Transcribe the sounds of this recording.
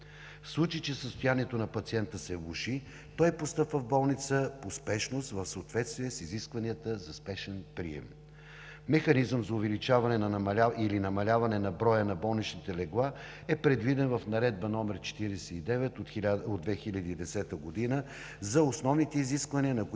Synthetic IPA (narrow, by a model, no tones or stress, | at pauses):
fslˠut͡ʃit͡ʃɛsəst̪ʊjaniɛt̪onɐpɐt̪siɛnt̪əsɛvuʃi | t̪ɔjpost̪ɤpvəvbɔlˠnit̪səpospɛʃnost̪vəfsəot̪vɛt̪st̪vijɛsiziskvɐniət̪əzɐspɛʃɛnpɾḭɛ̰m | mɛxɐnizəmzɐʊvɛlit͡ʃavɐnɛnɐnɐmɐlʲailinɐmɐlʲavɐnɛnɐbɾɔjənɐbɔlˠnit͡ʃnit̪ɛlɛɡlˠa | ɛpɾɛd̪vid̪ɛnvɐfnɐɾɛd̪̚bənɔmɛɾt͡ʃɛ̥t̪iɾɛsɛid̪ɛvɛt̪ot̪od̪vɛxilʲəd̪iːd̪ɛsɛt̪əɡod̪inə | zɐosnɔvnit̪ɛiziskvɐniənɐk